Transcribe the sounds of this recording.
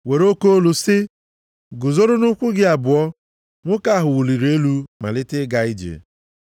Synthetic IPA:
we˨ɾo˦ko˦o˦lʊ˨sɪ˦ | ɡʊ˨zo˦ɾʊ˦nʊ˦kʷʊ˦ɡɪ˦a˨bʊ˨ɔ˦ | ŋʷʊ˦ka˦ɦʊ˨wu˨li˨ɾe˦lu˦ma̰˨lɪ˦tɪ˦ɡa˨ɪ˦d͡ʒḛ˨

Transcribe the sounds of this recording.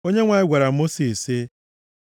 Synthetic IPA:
o˦ɲe˦ŋʷa˨ɪ˦ɡʷa˨ɾa˨˦mo˦si˨se˦

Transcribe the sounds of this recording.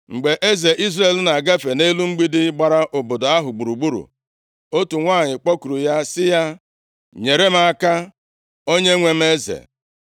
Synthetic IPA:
ŋ͡m̩˨ɡ͡be˨ʔe˦ze˨ʔi˦zɾe˦˨lna˨ɡe˦fe˨ne˦lu˦ŋ͡m̩˦ɡ͡bi˦dɪ˦ɡ͡ba˨ɾa˦ʔo˨bo˨do˨a˦ɦʊ˨ɡ͡bu˨ɾu˨ɡ͡bu˦ɾṵ˨ | o˦tu˨ŋʷaː˦˨ɲɪ˨k͡pɔ˦ku˨ɾu˨ja˦sɪ˦ja˦ | ɲe˨ɾe˦m̩˦a˦ka˦ | o˦ɲe˦ŋʷe˦m̩˦e˦zḛ˨

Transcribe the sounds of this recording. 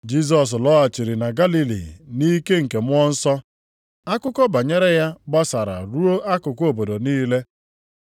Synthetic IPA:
d͡ʒi˦s̬ɔ˨s̬lɔ˦a˨t͡ʃi˨ɾi˨na˨ɡa˦li˦lḭ˨ni˦ke˦ŋ̩˨ke˨mʊ˦ɔ˦n̩˦sɔ˦ | a˦kʊ˦kɔ˦ba˨ɲe˦ɾe˦ja˦ɡ͡ba˦sa˨ɾa̰˨ɾu˦o˦ʔa˦kʊ˨ko˨bo˨do˨niː˦le˦

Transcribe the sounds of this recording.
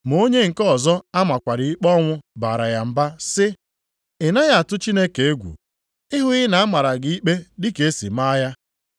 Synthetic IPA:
mo˦ɲe˦ŋ̩˨kɔ˦˨zɔ˦a˦ma˨kʷa˨ɾɪ˨i˦k͡pɔ˦ŋʷʊ˦ba˨ɾa˨ja˨m̩˨ba˦sɪ˦ | ɪ˨na˦ja˦a˨tʊ˦t͡ʃi˦ne˦ke˨e˦ɡʷṵ˨ | ɪ˦ɦʊ˦ɣɪ˦na˨a˦ma˨ɾa˨ɡɪ˦i˦k͡pe˦dɪ˦ke˨e˦si˨ma˦ja˦

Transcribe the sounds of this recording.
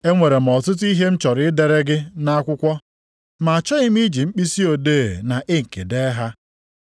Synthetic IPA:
e˦ŋʷe˨ɾe˨m̩˨ɔ˨tʊ˦t̬i˦ɦe˦m̩˦t͡ʃɔ˨ɾɪ˦de˨ɾe˦ɡɪ˦na˦a˦kʷʊ˦kʷɔ˦ | ma˨a˨t͡ʃɔ˦ɣɪ˦m̩˦i˦d͡ʒi˨ŋ͡m̩˦k͡pi˦si˦o˨deː˦˨na˨ʔɪ˦ŋ̩˨ke˨de˦ɦa˦

